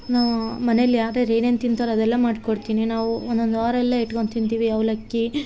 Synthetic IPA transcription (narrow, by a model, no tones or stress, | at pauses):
naːʋmɐnelːijaːɾeɾejnent̪int̪ʰɐɾɐd̪ɛlːɐmaːɖkoɽt̪iːninaːʋuɔnd̪ond̪aːɾɛlːɐiʈkont̪int̪iːʋiɐʋlɐkːi